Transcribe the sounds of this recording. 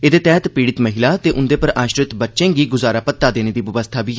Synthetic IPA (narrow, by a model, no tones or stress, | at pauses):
eːd̪eːt̪ɛːt̪piːɽɪt̪məɦɪlaːt̪eːʔʊnd̪eːpəɾaːʃɾɪt̪bətːʃẽːɡiːɡʊzaːɾaːpət̪ːaːd̪eːneːd̪iːʋəʋəst̪ʰaːbiː